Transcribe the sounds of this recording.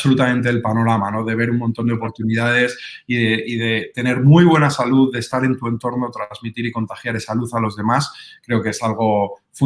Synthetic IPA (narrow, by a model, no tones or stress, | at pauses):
solut̪amẽ̞nt̪e̞ːlpano̞ɾamano̞ðe̞β̞e̞ɾumõnt̪o̞nd̪eo̞po̞ɾt̪unið̞að̞e̞siðeʔið̞e̞t̪e̞ne̞ɾmujβ̞we̞nasaluððe̞ːst̪aɾe̞nt̪ue̞nt̪o̞ɾno̞t̪ɾanzmit̪iɾiko̞nt̪axjaɾe̞saluθalo̞zðe̞maskɾe̞okeesalɣ̞o̞ | fu